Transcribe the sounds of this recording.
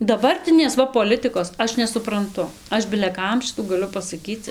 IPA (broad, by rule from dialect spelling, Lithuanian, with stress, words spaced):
dɐˈbɐrʲtʲɪnʲeːs ˈʋɐ poːˈlʲɪtɨkoːs ˈɐʃ nʲɛsʊprɐnˈtʊ ˈɐʃ bʲɪlʲɛ ˈkɐm ˈʃʲɪtuː ɡɐˈlʲʊ pɐsɐˈkʲiːt͡s